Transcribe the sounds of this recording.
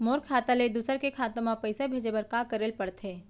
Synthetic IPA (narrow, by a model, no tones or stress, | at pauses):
moːɾkʰaːt̪aled̪uːsəɾkekʰaːt̪əmapəɪsebʱeːd͡ʒebəɾkakəɾeːlpɐɽt̪ɦeː